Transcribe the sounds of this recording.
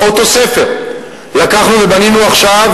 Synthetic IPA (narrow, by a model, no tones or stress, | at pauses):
ot̪o̞se̞fe̞ʁ | lakaχnuve̞baninuaχʃav